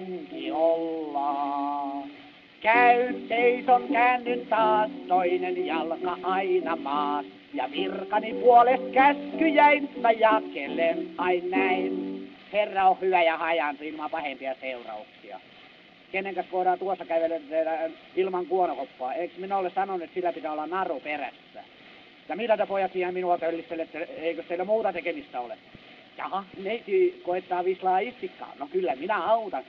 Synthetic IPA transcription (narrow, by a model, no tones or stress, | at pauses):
ŋkiolːɑː | kæynseisoŋkæːnːynt̪ɑːst̪oinenjɑlkɑʔɑinɑpɑːs | jɑ̰ʋirkɑnipuolest̪kæskyjæint̪ɑjɑkelːenɑinnæinherːɑohhyʋæjɑhɑjɑnsuilmɑpɑhempiɑseurɑ̰uksiɑ̰ | kenːeŋkæskoiɾɑːt̪uosːɑkæyʋelet̪æt̪æ | ilmɑŋkuonokopːoɑeksminæolːessɑnonuet̪silːæpit̪æolːɑnnɑruperæ̰sːæ̰ | jɑmilːæt̪æpojɑt̪siːhemminuɑk̪ølːist̪ːelːet̪ːæeikøsseilːæmuːt̪ɑt̪ekemist̪æolḛ | jɑ̰hɑneit̪iːkoet̪ːɑːʋislɑːist̪ikːɑ̰ːnokylːæminæɑut̪ɑn